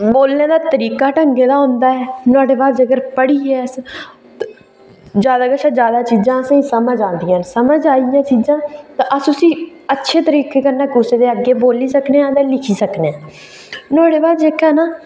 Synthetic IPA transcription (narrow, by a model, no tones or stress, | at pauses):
boːlneːd̪aːt̪əɾiːkaːʈəŋɡeːd̪aːɦʊ̃ːnd̪aːɛːnʊaːɖeːbaːd͡ʒəɡəɾpəɽiːɛːs | d͡ʒjaːd̪aːɡəʃãːd͡ʒjaːd̪aːt͡ʃiːd͡ʒãːəsẽsəməd͡ʒãːnd̪ɪjãːnsəməd͡ʒaːijãːt͡ʃiːd͡ʒãːt̪ãʔəsʊsĩː | ətːʃʰeːt̪əɾiːkeːkəɾnaːkʊseːd̪eːəɡːeːboːliːsəkneːãːt̪eːlɪkʰiːsəkneãː | naːɽeːbaːd͡ʒekɛːnaː